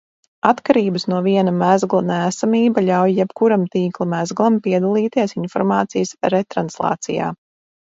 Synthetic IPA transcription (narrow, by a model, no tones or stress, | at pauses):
at̪kaɾiːbəsnuɔviɛnamæzɡlˠanæːsamiːbaʎʲawjjɛbkuɾamt̪iːklˠamæzɡlˠampiɛd̪alˠiːt̪iɛsinfɔɾmaːt̪sijəsɾɛt̪ɾanslˠɑ̰ːt̪sija̰ː